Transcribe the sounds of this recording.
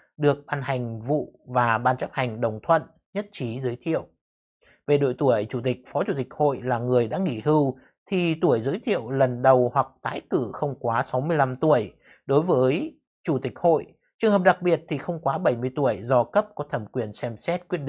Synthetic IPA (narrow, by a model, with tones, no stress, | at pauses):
ɗɨ˨˩ək̚ɓaː˧nha˨˩jŋ̟vṵ˧˨vaː˨˩ɓaː˧nt͡ɕə˦˥p̚ha˨˩jŋ̟ɗə˨˩wŋ͡mt̪ʰwə̰˧˨n | ɲə˦˥t̚t͡ɕi˨˦zəː˨˦jt̪ʰḭ˧˨əw | ve˨˩ɗo̰˧˨jt̪u˧˩əjt͡ɕu˧˩t̪ï˨˩k̟̚fɔ˨˦t͡ɕu˧˩t̪i˨˩k̟̚ho̰˧˨jlaː˨˩ŋɨ˨˩əjɗa̰ː˧˥ŋi˧˩˨hɨ˧w | t̪ʰi˨˩t̪u˧˩əjzəː˨˦jt̪ʰḭ˧˨ə˨wlə˨˩nɗə˨˩whwa˨˩k̚t̪aː˨˦jkɨ˧˩xə˧wŋ͡mkwaː˨˦sa˨˦wmɨ˧əjla˧mt̪u˧˩əj | ɗo˨˦jvəː˨˦j | t͡ɕu˧˩t̪i˨˩k̟̚ho̰˧˨j | t͡ɕɨ˨˩əŋhəː˨˩p̚ɗa˨˩k̚ɓi˨˩ət̚t̪ʰi˨˩xə˧wŋ͡mkwaː˨˦ɓə˧˩jmɨ˧jt̪u˧˩əjzɔ˧kə˦˥p̚kɔ˨˦t̪ʰə˧˩mkwi˨˩ənsɛ˧msɛ˦˥t̚kwi˦˥t̚ɗ̰ḭ˧˨